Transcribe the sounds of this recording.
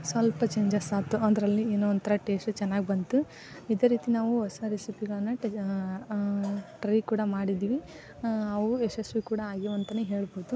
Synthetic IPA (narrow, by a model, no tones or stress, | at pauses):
sʋɐlpɐt͡ʃeːɲd͡ʒɐsaːt̪uʔɐd̪ɐɾɐlːieːnoʋɐnt̪ɐɾɐʈeːsʈt͡ʃɛnːaːɡibɐnt̪u | id̪eːɾiːt̪inaːʋuɔsɐɾisipiɡɐɭɐnːɐ | ʈɾɐjkuːɽɐmaːɽid̪iːʋi | ɐʋuesesʋikuːɽɐaːɡiʋɐnt̪ɐnːeɦe̞ːɭboːd̪u